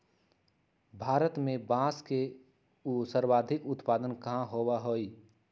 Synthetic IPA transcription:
bʱaːɾət̪mẽbãːske | usəɾwaːd̪ʱɪkʊt̪paːd̪ənkɐɦãɦoːwaɦoːi

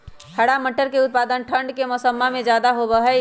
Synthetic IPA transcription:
həɽaməʈːəɾkeʊt̪̚pad̪ənʈʰəɳɖkemɔsəmːamẽd͡ʒad̪aɦobəɦɛ

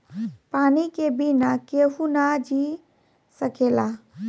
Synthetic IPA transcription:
panikebinakeɦunad͡ʒi | səkela

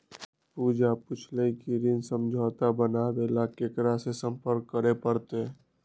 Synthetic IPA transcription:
puːd͡ʒapʊt͡ʃʰləikiɾɪnsə̃md͡ʒʱaːt̪abənabelakekɾasesə̃mpəɾkːəɾepəɾt̪e

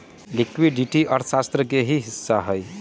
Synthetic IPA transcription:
likwiɖiʈiʔʌɾsast̪rʌkeɦiɦisːaɦʌj

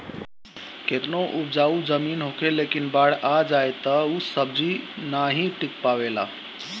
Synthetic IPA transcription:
ket̪noʔubd͡ʒaud͡ʒəminɦokʰelekinbaɽ̤ad͡ʒajt̪əusəb̚d͡ʒinaɦĩʈik̚paβela̰

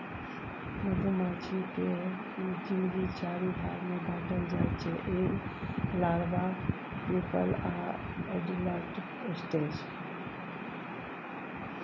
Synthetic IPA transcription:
məd̪ʱumat͡ʃʰike | mikinɡit͡ʃaɾibʱaɾmebʱãʈəld͡ʒajt͡ʃʰeʔe | laɽba | pipə̰la̰ | eɖiləʈ | esʈed͡ʒ

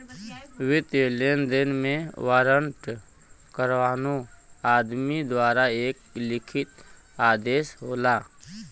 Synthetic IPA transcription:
ʋɪt̪elend̪ɪnmẽwaːɾəɳʈ | kəɾʋaːnoaːd̪mid̪waːɾaeːk̚lɪkʰɪt̪ | aːd̪eːʃɦoːlaː

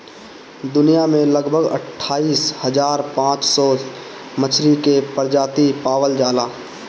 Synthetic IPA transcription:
d̪ʊnijamẽləɡbʱəɡə̰ʈʰːaːiːshəd͡ʒaːɾpãːt͡ʃsɔ | mət͡ʃʰɾikepəɾd͡ʒaːt̪ipaːwəld͡ʒaːlaː

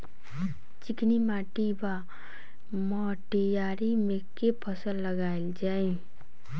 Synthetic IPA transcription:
t͡ʃiknimaʈiba | mɔ | ʈijaɾimekepʰəsəlːəɡaild͡ʒae

